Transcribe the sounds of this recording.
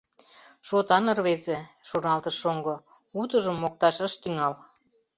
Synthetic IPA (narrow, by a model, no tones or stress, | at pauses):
ʃot̪ɑnə̆rβezeʃonɑlt̪əʃoŋɡo | ut̪əʒəmːok̚t̪ɑʃəʃt̪yŋɑl